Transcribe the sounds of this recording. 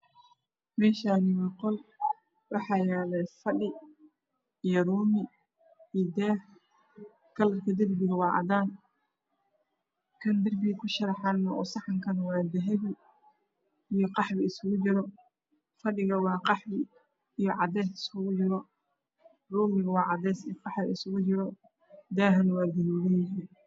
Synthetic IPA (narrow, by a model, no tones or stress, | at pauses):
mɛːʃaːnɪwɑqɔl | wɑħɑjɛːlɛfɐɖɪ | ijɔruːmɪ | id̪ɛːh | kʰɐlɐrkʰɐd̪ɐrbɪɣɐwɑːʕɑ̰d̪aːn | kʰɐnd̪ɐrbɪɣkʰʊʃɐɾɑħɑnːɐɔːsɑħɑŋkʰɐnwɑːd̪ɛɦɛβɪ | ijɔqɑħβɪɪsʊɣʊt͡ʃɪɾɔ | fɐɖɪɣɐwɑːqɑħɪ | ijɔʕɑd̪ɛːsɪsʊɣʊd͡ʒɪɾɔ | ruːmɪɣɐwɑːʕɑd̪ɛːsɪjqɑħðɪɪsʊɣʊt͡ʃɪɾɔ | d̪ɛːɦɐnɐwɑːd̪ɐluːɣɐnjɪɦiːn